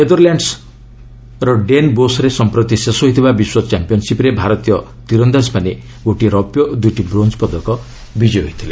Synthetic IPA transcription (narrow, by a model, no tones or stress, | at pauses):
ned̪ɔɾljaɳɖs | ɾɔɖenbosɾesɔmpɾɔt̪isesɔɦit̪ʰibabiswɔt͡ʃampijɔnsipɾebʱaɾɔt̪ijɔ | t̪iɾɔnd̪aspane | ɡoʈiɾɔpjɔd̪ujʈibɾond͡ʒpɔd̪ɔkɔ | bid͡ʒɔjɦoit̪ʰile